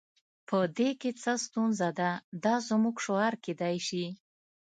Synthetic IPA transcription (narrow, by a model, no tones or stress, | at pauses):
pʰəd̪eket͡səst̪unzad̪ad̪ɑzmuɡʃoɑɾked̪ajʃi